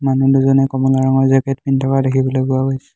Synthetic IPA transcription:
manuduzɔnɛkɔmulaɹɔŋɔɹzɛkɛtpintʰɔkadekʰibɔlojɡuaɦojsɛ̥

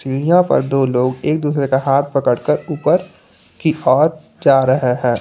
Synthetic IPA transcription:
siːɽ̃ijãpɐ̰ɾd̪oːloːɡeːk̚d̪uːsɾekaɦaːt̪̚ʰpɐkəɽkəɾuːpəɾ | kiʔɔːɾ | d͡ʒaːɾɐɦeɦɛ̃ː

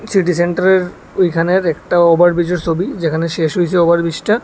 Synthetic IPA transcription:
siʈiseɳʈaɾeɾ | ojkʰaneɾɛkʈaɔbaɾbid͡ʑoɾt͡ɕʰobid͡ʑekʰaneʃeʃɦojt͡ɕʰeɔbaɾbiʃʈa

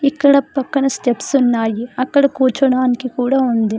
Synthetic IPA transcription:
ikːɐɽɐpɐkːɐnɐsʈepsunːaːjiɐkːɐɽɐkuːt͡ʃɐɽaːnikikuːɽaːund̪i

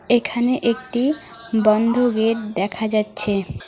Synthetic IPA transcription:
ekʰaneʔekʈi | bɔnd̪ʱoɡeʈ̚d̪ɛkʰad͡ʑatːɕʰe

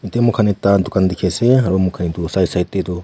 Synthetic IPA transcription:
itemukʰanitatukandikʰɛsɛɦaɾomukʰanitusaisaitetu

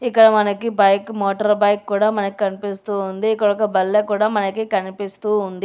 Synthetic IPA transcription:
ikːɐɽɐmɐnɐkibɐjkmoːʈɐɾbɐjkːuːɽaːmɐnɐki̥kɐnipist̪uːnd̪iːkːɐɽɔkːɐbɐlːeːkuːɽaːmɐnɐkikɐnipist̪uːnd̪i

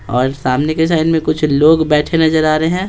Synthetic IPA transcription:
ɔːɾsaːmnekes̬aːɪnmẽkʊt͡ʃʰloːɡbɛːʈʰenɐzəɾaːɾeeɦɛ̃ː

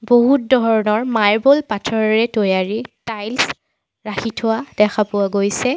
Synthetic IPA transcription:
boɦut̚dɔɹɔnɔɹmajɹbolpatʰɔɹɔɹɛtojaɹitajls | ɹaxʰitʰʊwad̥ɛxʰapʊaɡojsɛ

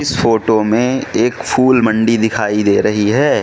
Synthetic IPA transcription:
ɪsfoːʈomẽeːkfʰuːlmɐ̃ɳɖid̪ɪkʰaːid̪eːɾɐɦiɦɛː

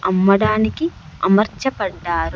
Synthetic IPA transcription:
ʔɐmːɐɽaːnikiʔɐ̰mɐɾt͡ʃːɐpɐɖːaːɾu

